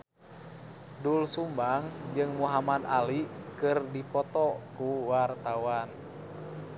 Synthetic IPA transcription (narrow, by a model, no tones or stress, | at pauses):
dulsumbaŋd͡ʒɨŋmuɦamad̪alikɨrdipɔt̪ɔkuwart̪awan